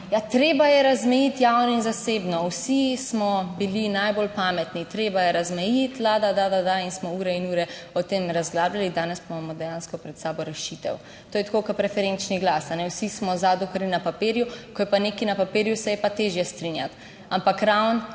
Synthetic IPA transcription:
jat̪ɾeːbajɛɾazmɛjit̪jawnɔinzaseːbnɔwsismɔbilinajbolpamɛt̪nit̪ɾeːbajɛɾazmɛjit̪lad̪ad̪ad̪ad̪ainsmɔuːɾɛinuːɾɛɔt̪emɾazɡlaːblalid̪aːnɛsbɔmamɔd̪ɛjaːnskɔpɾɛt̪saːbɔɾɛʃit̪ɛ̰w | t̪oːjɛt̪kokəpɾɛfɛɾent͡ʃniɡlasanɛwsismɔzad̪ɔkəɾninapapeːɾjukɔjɛpanekinapapeːɾjusɛjɛpat̪eːʒjɛst̪ɾinjat̪ | ampakɾawn

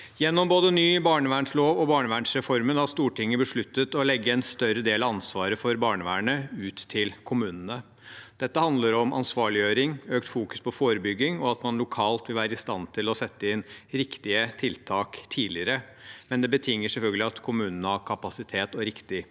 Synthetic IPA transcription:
jɛnːɔmboːd̪ənyːbɑːɳəʋæːɳʂloːʋɔbɑːɳəʋæːɳʂɾɛfɔɾmənɑst̪uːʈʰɪŋːəbəʂɭʉt̪ːət̪ɔlɛɡːəɛnst̪œɾəd̪eːlɑɑnsʋɑːɾəfɔɾbɑːɳəʋæ̰ːɳəʉːt̪ʰːɪlkʰʊmʉːnənə | d̪̥ɛt̪ːəhɑnd̪ləɾɔmʔɑ̰nsʋɑːɭɪjøːɾɪŋøːkt̪fuːkʉ̥spʰɔfoːɾəbʏɡːɪŋɔɑt̪mɑnlʊkʰɑːlt̪ʋɪlʋæːɾəɪst̪ɑnt̪ʰɪlɔsɛt̪ːəɪnɾɪkt̪ɪət̪ʰɪlt̪ʰɑːkt̪ʰiːlɪəɾə | mɛnd̪ɛbət̪ʰɪŋːəsɛlfœlɡəlɪɑt̪kʰʊmʉːnənəhɑkʰɑpɑsɪt̪ʰeːt̪ɔɾɪkt̪ɪ

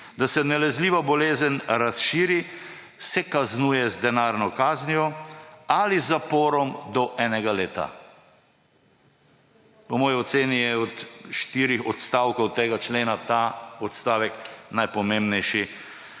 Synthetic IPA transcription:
d̪asɛnɛlɛzliːʋabɔleːzənɾasʃiːɾi | sɛkaznuːjɛzd̪ɛnaːɾnɔkaːznijɔalizapɔːɾɔmd̪ɔʔɛːnɛɡaleːt̪a̰ | pɔmɔːjɔt̪seːnijɛɔt̪ʃt̪iːɾixɔt̪st̪aːwkɔwt̪ːeːɡat͡ʃleːnat̪aːɔt̪st̪aːʋɛknajpɔmembnɛjʃi

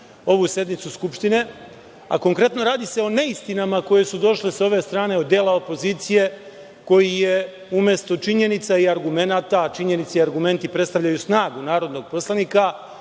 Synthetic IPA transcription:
o̞ʋusje̞d̪nit̪suskupʃt̪ine̞ | a̰ko̞ŋkɾe̞t̪no̞ɾaːd̪ise̞o̞ne̞ist̪inamako̞je̞sud̪o̞ʃleso̞ʋe̞st̪ɾaːne̞od̪ːje̞ːlao̞po̞ziːt̪sije̞ | ko̞jije | umje̞st̪o̞t͡ʃiɲe̞nit̪saiaɾɡume̞nat̪at͡ʃiɲe̞nit̪seiaɾɡume̞nt̪ipɾet̪st̪aʋʎajusnaːɡunaːɾo̞d̪no̞ɡ̚po̞slˠanika

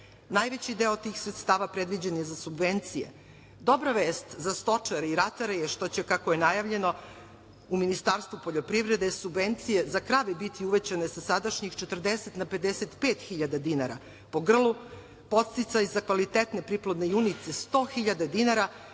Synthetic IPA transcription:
najʋet͡ɕid̪eot̪iːxsɾet̪st̪aːʋapɾed̪ʋid͡ʑenje̞zasubʋent̪sijḛ | d̪o̞bɾaʋeːst̪zast̪o̞t͡ʂaɾeiɾat̪aɾejeʃt̪o̞t͡ɕekakojenajaʋʎe̞no̞ | uminist̪aːɾst̪vupoʎo̞pɾiʋɾe̞d̪e̞subʋent̪sije̞zakɾaʋebit̪ʰiuʋet͡ɕanesasad̪aʃɲixt͡ʃet̪r̩d̪eset̪nape̞d̪eset̪peːt̪xiʎad̪ad̪inaɾa̰ | po̞ɡr̩lˠu | po̞t̪st̪it̪sajzakʋalit̪et̪ne̞pɾiplod̪nejunit̪sest̪o̞xiʎad̪ad̪inaɾa

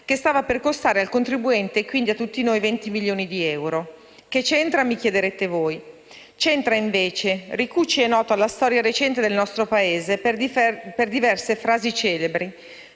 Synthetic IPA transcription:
k̟est̪aːvaperkost̪aːɾealkont̪ɾibuɛnt̪ekwind̪iat̪ːut̪ːinojvɛnt̪imilːjoːnid̪iɛwɾo | ket͡ʃɛnt̪ɾamikjed̪eɾet̪evoːj | t͡ʃɛnt̪ɾaiɱveːt͡ʃerikut͡ʃːiɛnɔːt̪oalːast̪ɔɾjaɾet͡ʃɛnt̪ed̪elnɔst̪ɾopaeːze | perd̪ivɛrsefɾaːzit͡ʃɛːlebɾi

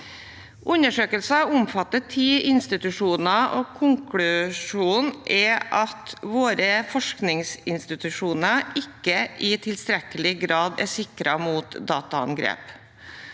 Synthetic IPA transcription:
ʔʉnəʂøːkəlsɑʊmfɑt̪ːət̪ʰiːɪnst̪ɪt̪ʉʂuːnɑoːkʰʊŋkʰlʉʂuːnʔɛʔɑt̪ʋoːɾəfɔʂknɪŋsɪnst̪ɪt̪ʉʂuːnəɪkːəʔiːt̪ʰɪlst̪ɾɛkəlɪɡɾɑːd̪ɛ̰sɪkɾɑmuːt̪d̪ɑːt̪ɑɑ̰nɡɾḛːp

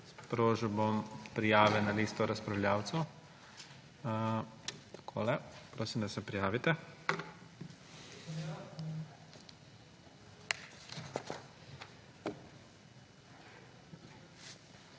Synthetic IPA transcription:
spɾoːʒibompɾijaːʋɛnaliːst̪ɔɾaspɾaʊwljaːwt̪sɛw | t̪ḁkʰoːlɛpɾoːsimd̪asɛpɾijaːʋit̪ɛ

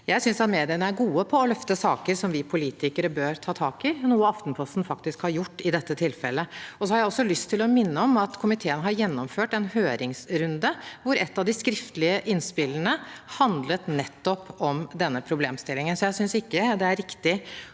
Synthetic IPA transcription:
jæɪsʏnsɑt̪meːd̪ɪənəæɾɡuːəpʰɔɔlœft̪əsɑːkəɾsɔmʋɪpʰʊliːt̪ɪkəɾəbøːɾt̪ʰɑːt̪ʰɑːkɪnuːəɑft̪n̩pʰlɑst̪n̩fɑk̚t̪ɪskhɑɾjʊʈːɪd̪ɛt̪ːət̪ʰɪlfɛ̰lːəɔsɔhɑɾjæɪɔsːɔlʏst̪ʰːɪlɔmɪnːəɔmɑt̪kʰʊmɪt̪ʰeːənəɦɑɾjɛnːɔmføːʈɛnhøːɾɪŋsɾʉnd̪əʋʊɾɛt̪ːɑʋd̪ɪskɾɪft̪əlɪəʔɪnspɪlːəɳəhɑnd̪lət̪nɛt̪ːɔpɔmd̪ɛnːəpʰɾʊbleːmst̪ɪlːɪŋənsɔjæɪsʏnsɪkːəd̪ɛæɾɪkt̪ɪ

